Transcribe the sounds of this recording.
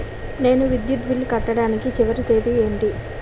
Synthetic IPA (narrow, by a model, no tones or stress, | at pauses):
ne̞ːnuʋid̪jut̪bilːkɐʈːɐɽaːnikit͡ʃiʋɐɾit̪eːd̪ieːɳʈi